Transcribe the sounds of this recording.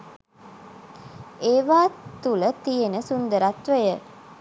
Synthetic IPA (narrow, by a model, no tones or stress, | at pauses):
eːʋaːt̪ulət̪ijenəsund̪əɾat̪ʋəjə